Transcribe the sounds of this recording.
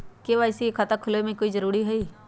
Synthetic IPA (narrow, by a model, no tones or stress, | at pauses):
keʋaːɪsikʰat̪akʰʊlemẽkoizəɾuːɾiːɦɛiː